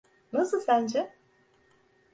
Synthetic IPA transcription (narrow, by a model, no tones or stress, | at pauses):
nɐsɯlˠsænd͡ʒɛ